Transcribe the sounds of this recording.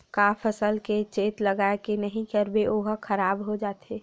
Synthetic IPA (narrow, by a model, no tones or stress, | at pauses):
kapʰəsəlket͡ʃeːt̪ləɡaekenəɦĩkəɾbeʔoːɦkʰəɾaːbɦod͡ʒaːt̪eː